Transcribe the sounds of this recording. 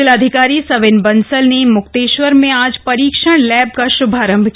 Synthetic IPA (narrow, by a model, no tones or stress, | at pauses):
ɪləd̪ʱɪkaːɾisɐʋɪnbɐnsəlnemʊkt̪eːʃʋəɾmẽaːd͡ʒpɐɾiːkʃəɽ̃lɛːb̚kaʃʊbʱaːɾə̃mbʱk